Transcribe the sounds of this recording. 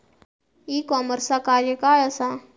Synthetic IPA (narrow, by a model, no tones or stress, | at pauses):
iːkɔməɾsakaɾjəkaːjəsa